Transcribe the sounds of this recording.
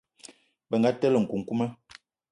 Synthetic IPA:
bə˨ŋ˨ɡa˦tə˦lə˨ŋ̩˨ku˨ŋ̩˨ku˦mə˦

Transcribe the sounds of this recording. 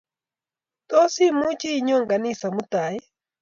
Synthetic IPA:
t̪ɔ˦si˦mu˦t͡ʃi˦˨ɲɔ˦ŋɡa˨ni˦sa˨mu˦t̪a˨j

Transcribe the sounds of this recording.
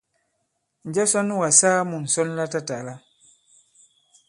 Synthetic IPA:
n˨d͡ʒa˦sa˦nu˦wa˨sa˦mu˨n̩˨sɔ˦n˦la˦ta˦ta˨la˦

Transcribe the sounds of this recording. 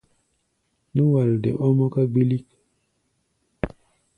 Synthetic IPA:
nu˦wa˨ldḛ˨ʔɔ˦mɔ˦ka˦ɡ͡bi˦li˦k

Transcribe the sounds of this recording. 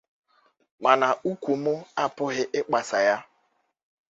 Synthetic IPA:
ma˨na˨u˦kʷu˨mʊ˦a˦pʊ˦ɦɪ˦ʔɪ˦k͡pa˨sa˨ja˦

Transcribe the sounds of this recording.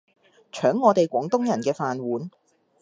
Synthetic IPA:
t͡ʃʰœː˨˥ŋːɔː˨˧t̪e˨jkʷɔː˨˥ŋt̪ʊ˥ŋjɐ˨˩nkɛː˧faː˨nwuː˨˥n

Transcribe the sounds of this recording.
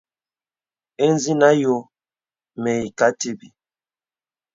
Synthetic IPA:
e˦n˦zi˦na˦jo˨˦ | mɛ˨i˨ka˨˦te˦bi˨

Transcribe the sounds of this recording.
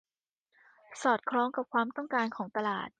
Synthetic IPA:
sɔː˨˩t̪̚kʰɾɔː˧˥ŋka˨˩p̚kʰwaː˧mt̪ɔ˥˩ŋkaː˧nkʰɔː˩˦ŋt̪a˧la̰ː˨˩t̪̚

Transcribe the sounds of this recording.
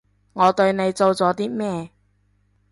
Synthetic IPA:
ŋɔː˨˧t̪ɵ˧ɥne˨˧jt͡so˧wt͡sɔː˨˥t̪iː˥mɛː˥

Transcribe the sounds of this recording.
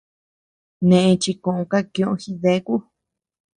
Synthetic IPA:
nẽ˨ʔẽ˧t͡ʃi˧kõ˧˨ʔõ˧ka˦kj̃õ˧ʔõ˧xi˧ðe˦ku˦

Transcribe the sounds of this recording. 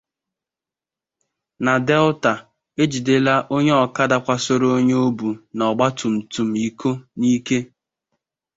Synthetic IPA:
na˨dɛ˦lta˨ | e˦d͡ʒi˨de˦la˦ʔo˦ɲe˦ɔ˨ka˦da˦kʷa˦so˦ɾo˦ɲe˦o˦bu˨nɔ˨ɡ͡ba˦tu˨m̩˨tu˨m̩˦i˦kʰo˦ni˦ke˦

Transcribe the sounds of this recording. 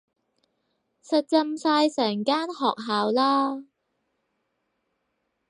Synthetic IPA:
sɐ˨t̚t͡sɐ˧msaː˧jsɛː˨˩ŋkaː˥nhɔː˨k̚ɦaː˨wlaː˥

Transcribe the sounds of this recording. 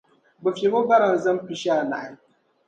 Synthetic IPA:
ba˨fe˨ma˦ba˦ɾa˨n˨za˦m˦pi˨ʃa˦a˨na̰˨ʔa˨

